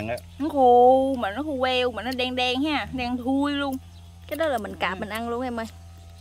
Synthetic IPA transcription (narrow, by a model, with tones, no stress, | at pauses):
nɔ˨˦xu˧˩maː˨˩nɔ˨˦xu˧vɛ˧wmaː˨˩nɔ˨˦ɗɛ˧ŋɗɛ˧ŋhaː˧˩ɗɛ˧ŋt̪ʰu˧əjlu˧əŋ | kaː˨˦jɗɔ˨˦laː˨˩mï˨˩ŋ̟kaː˨˩p̚mï˨˩ŋ̟ʔa˧nlu˧ənhɛ˧mə˧j